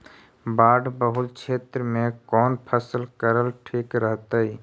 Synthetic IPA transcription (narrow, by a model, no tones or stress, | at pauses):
baːɖbəɦʊlkt͡ʃʰeːt̪ɾəmẽkɔːnpʰəsəlkəɾəlʈʰiːkɾəɦt̪ai